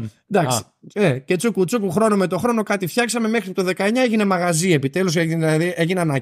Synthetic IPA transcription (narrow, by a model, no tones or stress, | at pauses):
d̪ɐksi̥ | ece̞t͡sukut͡supuxɾo̞nomet̪o̞xɾo̞no̞kɐt̪ifçɐksɐme̞me̞xɾit̪oðe̞kɐe̞ɲɐeʝine̞mɐɣɐzie̞pit̪e̞lus̬eiðieʝineɐnɐ